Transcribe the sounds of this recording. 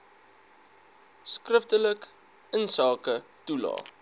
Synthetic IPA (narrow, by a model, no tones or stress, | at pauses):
skrəftələk | ənsɑːkətulɑ̰ː